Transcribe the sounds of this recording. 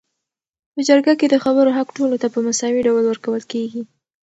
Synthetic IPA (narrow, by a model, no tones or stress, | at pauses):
pəd͡ʒaɾɡaked̪əxabəɾoɦakʈolot̪apəmasɑwiɖawlwəɾkawəlkeɡi